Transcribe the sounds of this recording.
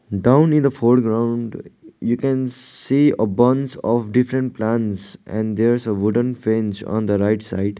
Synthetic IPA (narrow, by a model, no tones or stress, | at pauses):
ɖãʊ̃nɪ̃nd̪əfoɾɖɡɾãʊ̃ɳɖjuːkɛ̃nsiːəbʌ̃nsɔfɖɪfɾə̃ɳʈ̚plæ̃nsʔɛ̰̃ɳɖd̪eɾsəʋʊɖə̃nfẽnd͡ʒɔ̰̃ːnd̪əɾaɪʈsa̰ɪɖ